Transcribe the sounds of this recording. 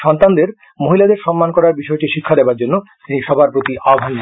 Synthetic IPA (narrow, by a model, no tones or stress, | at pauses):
ʃɔnt̪and̪eɾ | moɦilad̪eɾʃɔmːankɔɾaɾbiʃɔeʈiʃikʰːad̪ebaɾd͡ʑonːot̪iniʃɔbʱaɾpɾot̪iʔaɡʱan